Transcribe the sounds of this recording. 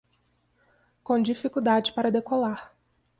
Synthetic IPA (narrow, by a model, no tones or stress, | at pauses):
kõd͡ʒifikud̪ad͡ʒɪpaɾɐd̪ekolaɾ